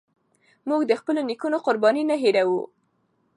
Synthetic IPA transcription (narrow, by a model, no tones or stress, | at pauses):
muɡd̪əxpəlonikunoqʊɾbɑninaɦeɾawṵ